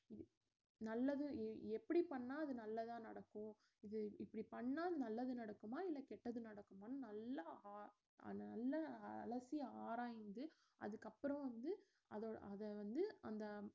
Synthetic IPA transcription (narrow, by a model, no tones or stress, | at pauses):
ɪ | nɐlːɐðɯɛpːɐɽipɐɳːaːɐðɯnɐlːɐt̪ãːnɐɽɐkːʊ̃ | ɪðɯɪpːɐɽipɐɳːaːðɯnɐlːɐðɯnɐɽɐkːɯmaːɪlːɐkɛʈːɐðɯnɐɽɐkːɯmaːnɯnɐlːɐ̰ː | ɐlːɐɐlɐsiaːɾaːjnd̪ɯ | ʔɐ̰ðɯkːɐpːɯɾɐ̃ʋɐnd̪ɯ | ɐðo̰ːɐðɛʋɐnd̪ɯɐnd̪ɐ